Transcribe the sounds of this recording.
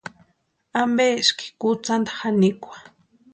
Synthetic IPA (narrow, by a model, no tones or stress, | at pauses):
ambeʃki̥kut͡sand̪ḁxanikʷḁ